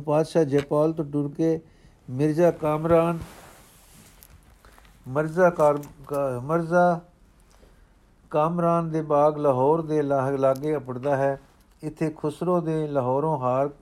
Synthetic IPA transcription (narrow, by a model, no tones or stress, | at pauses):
paːd̪ʃaːd͡ʒɛːpaːlt̪õːʈʊɾkeː | mɪɾzaːkaːmɾaːn | məɾzaːɾməɾzaː | kaːmɾaːnd̪eːbaːɡləɦɔːɾd̪eːllaːɡeːəpəɽd̪aːɦɛː | ɪt̪ʰːeːkʰʊsɾõːd̪eːləɦɔːɾõːɦaːɾ